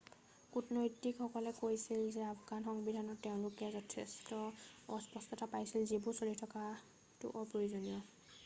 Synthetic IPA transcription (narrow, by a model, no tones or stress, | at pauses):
kutnojtikxɔkɔlɛkojsilzɛafɡanxɔŋbidʱanɔtɛʊ̃lʊkɛzɔtʰɛstɔɔspɔstɔtʰapajsilzibuɹsolitʰɔka | tʊ̰ʔɔɹpɹoizonijɔ